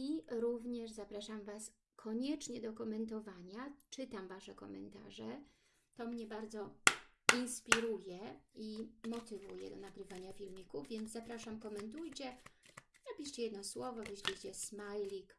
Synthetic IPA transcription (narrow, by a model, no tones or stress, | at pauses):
iɾuvɲɛʐzapɾaʂamvas | kʰɔɲɛt͡ʂɲɛd̪ɔkɔmɛnt̪ɔvaɲat͡ʂɘt̪amvaʂɛkɔ̰mɛ̰nt̪a̰ʐɛ | t̪ɔmɲɛbaɾd̪zɔinspʲiɾujɛimɔt̪ɘvṵjɛ̰d̪ɔnaɡɾɘvaɲafʲilmʲikuvʲjɛnd̪zzapɾaʂamkɔmɛnt̪ujt͡ɕɛ | zapʲiʂt͡ɕɛjɛd̪nɔswɔvɔvʲɘɕlʲit͡ɕɛsmajlʲik